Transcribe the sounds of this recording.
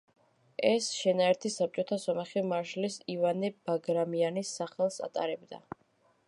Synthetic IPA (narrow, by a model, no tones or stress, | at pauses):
ɛsʃɛnaɛɾt̪ʰisap̚t͡ʃʼɔt̪ʰasɔmaχɛmaɾʃlisivanɛb̥aɡɾamianisːaχɛlˠsa̰t̪ʼa̰ɾɛbd̪a̰